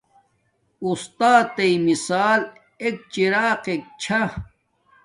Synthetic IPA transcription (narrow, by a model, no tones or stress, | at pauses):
ust̪aːt̪ːɐimisaːl | ek̚t͡ɕiɾaːqek̚t͡ɕʰa